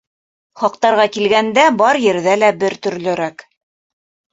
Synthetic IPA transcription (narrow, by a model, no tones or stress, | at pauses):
χɑqt̪ɑɾʁɑkilɡænd̪æbɑɾjɘ̆ɾðælæbɘɾt̪ɵ̆ɾlɘ̆ɾæk